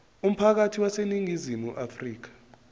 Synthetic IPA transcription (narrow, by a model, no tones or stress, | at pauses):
um̩pʰak̬atʰiwaseniŋizimuʔafriːk̬ḁ